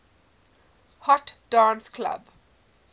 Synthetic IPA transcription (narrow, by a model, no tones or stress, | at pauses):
hɔʈɖ̥ãːnskʰlʌ̰b